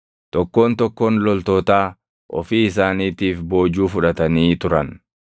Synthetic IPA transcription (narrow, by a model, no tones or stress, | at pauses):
t̪ɔkːo̞ːnt̪ɔkːo̞ːnlɔlt̪o̞ːt̪aː | ʔɔ̰fiɪs̬aːniːt̪iːfbo̞ːd͡ʒuːfʊᶑɐt̪ɐniːt̪ʊɾɐn